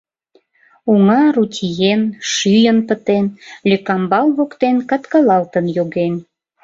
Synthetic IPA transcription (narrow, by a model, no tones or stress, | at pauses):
uŋɑɾut̪ʲʰijenʃyjənpət̪enlʲøkɑmbɑlβokt̪enkɑt̪kɑlɑlt̪ənjoɣen